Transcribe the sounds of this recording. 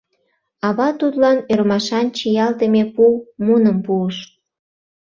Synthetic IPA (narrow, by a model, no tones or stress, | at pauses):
ɑβɑt̪ut̪lɑnøɾmɑʃɑnt͡ɕijɑlt̪əmepumunəmpuəʃ